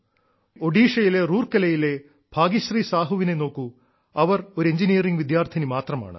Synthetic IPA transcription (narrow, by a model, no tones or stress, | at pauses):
o̞ɖiːʂɐjile̞ruːrkɐlɐjile̞ | b̥ʱaːɡiɕriːsaːɦuʋine̞no̞ːkːu | ɐʋɐroɾeɲd͡ʑinijɐriŋɡʋid̪jaːrt̪ʰɐnimaːt̪rɐma̰ːɳɨ̰